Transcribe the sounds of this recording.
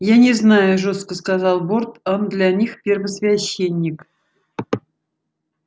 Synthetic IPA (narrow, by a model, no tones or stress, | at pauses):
janʲɪznajʊʐo̞st̪kəskazɑlˠbort̪ond̪lʲanʲixpʲɪrvəsvʲɛɕːenʲːɪk